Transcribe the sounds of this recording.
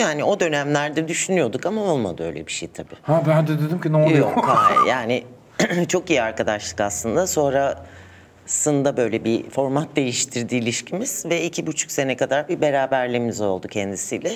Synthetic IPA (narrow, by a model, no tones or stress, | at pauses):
jaːnio̞d̪ø̞næmlʲæɾd̪ɛd̪yʃynyjo̞d̪ukamao̞lˠma̰d̪ɯø̞jlʲɛbiʃḛjt̪ʰabiːhabænd̪ɛd̪ed̪ymcʲinojˠjokajaːnɪ | t͡ʃʰo̞kijiaɾkad̪aʃlˠɯkaslˠɯnd̪aso̞nɾa | sɯnd̪abø̞jlʲɛbifo̞ɾmat̪̚d̪e̞jiʃt̪ʰiɾd̪iːlʲiʃcʰimiz̥vɛicʰibut͡ʃʰu̥kse̞nɛkad̪aɾbibe̞ɾaːbæɾlʲimizo̞lˠd̪ucʰɛnd̪isiːlʲɛ